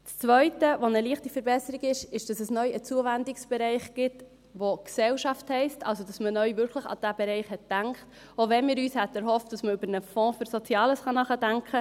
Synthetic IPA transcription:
t͡st͡sʋœʏtəʋonəliəχtifəɾbɛsəɾiɡɪʃɪʃd̥ɑsəsnœʏʔət͡suəvændɪksb̥ɛɾɛɪχɡ̥ɪt | ʋoksɛlʃɑfthɛɪstɑ̰lsod̥ɑsmənœʏvʏɾkʰχləχɑ̰d̥æbɛɾɛɪχhɛt̚d̥æŋkt | oʋɛnmɪːɾyːshɛt̪ɛɾɦɔft̚d̥ɑsməʏbəɾnəfɔ̃ːføɾsot͡sjɑːləsχɑnɑχədæŋkχə

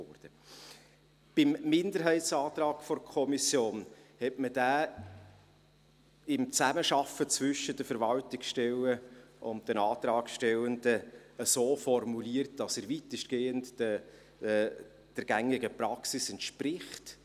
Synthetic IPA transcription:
ɔd̥ə | b̥ɪmːɪndəɾɦɛɪtsɑːt̪rɑːɡ̥fɔrkʰɔmisjoːnhɛtməd̥æː | ɪmt͡sæməʃɑfət͡svʏʃəd̥əfəɾvɑltɪksʃtɛləʔʊnt̚dənɑːtɾɑːkʃtɛləndə | əsoːfɔrmuliərt̚d̥ɑsəɾvitəʃtɡ̥eːəntə | d̥əɾɡ̥æŋɪɡəpɾɑksisɛntʃpɾɪχt

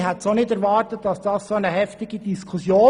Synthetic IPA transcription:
ɦɛtsonɪtɛɾʋɑːɾtətd̥ɑsd̥ɑːssonəɦɛftɪɡ̥id̥iskʰusjoː

